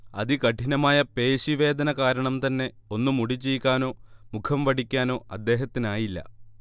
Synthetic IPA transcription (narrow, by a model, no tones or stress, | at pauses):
ɐ̰ðikɐʈʰinɐmaːjɐpe̞ːɕiʋe̞ːd̪ʱɐnɐkaːɾɐɳɐmt̪ɐnːe̞ | o̞nːumuɽit͡ɕːejkʲːaːno̞ːmukʰɐmʋɐʈikʲːaːno̞ːɐd̪ːe̞ːɦɐt̪ːinaːjilːɐ̰